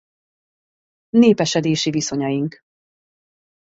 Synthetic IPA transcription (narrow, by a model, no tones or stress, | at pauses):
neːpɛʃɛd̪eːʃiviso̞ɲɒjiŋk